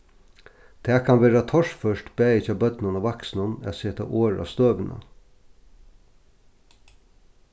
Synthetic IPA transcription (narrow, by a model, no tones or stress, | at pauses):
t̪ʰɛːkʰanʋeːɾat̪ʰɔʂfœʂʈbæːɪt͡ʃaːbœt̪nʊnɔʋaksnʊnɛ̰seːt̪a̰ʔoːɾa̰st̪øːʋɪna̰